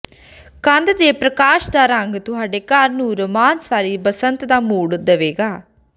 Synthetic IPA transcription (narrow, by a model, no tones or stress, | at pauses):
kə̃nd̪d̪eːpɾəkaːʃd̪aːɾəŋɡt̪ʊɦaːɖeːkəɾnũːɾəmaːnsʋaːɾiːbəsənt̪d̪aːmuːɽd̪əʋeːɡaː